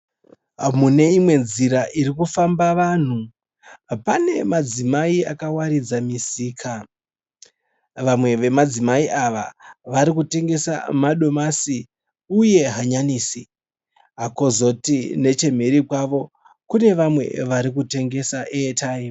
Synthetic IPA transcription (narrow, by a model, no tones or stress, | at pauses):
mune̞imwe̞nziɾaʔiɾikufambaʋan̤u | pane̞mad͡zimaiakawaɾid͡zamisiːkʰa | ʋamwe̞ʋe̞mad͡zimaiʔaʋa̰ʋaɾikute̞ŋɡe̞sa̰maɗo̞masi | uje̞ɦaɲaniːsi | ɦako̞zo̞tine̞t͡ʃe̞m̤eɾikwaʋo̞ | kune̞ʋamwe̞̰ʋaɾikute̞ŋɡe̞saʔeːtai